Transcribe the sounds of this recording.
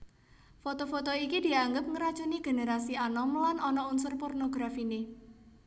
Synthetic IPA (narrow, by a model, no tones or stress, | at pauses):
fot̪ofot̪oikid̥i̤aŋɡəp̚ŋəɾḁt͡ʃuniɡ̥e̤neɾasianɔmlanɔnɔunsʊrpornoɡɾafine